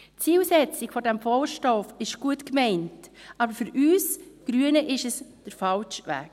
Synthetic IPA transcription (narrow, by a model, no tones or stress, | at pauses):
t͡siːlsɛt͡sɪ̥fɔdɛmfɔlʃtɔfɪʃɡ̥uətkmɛɪntʔɑːbəɾfʏɾyːsɡ̥ɾyənəʔɪʃɛsd̥əɾfɑlʃʋæ̰ːk̚